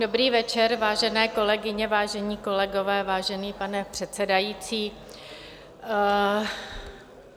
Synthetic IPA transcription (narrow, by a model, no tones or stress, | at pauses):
dobɾiːvɛt͡ʃɛɾvaːʒɛnɛːko̞lɛɡɪɲɛvaːʒɛɲiːko̞lɛɡo̞vɛːvaːʒɛniːpanɛpr̥ɛt̪t͡sɛdajit͡siː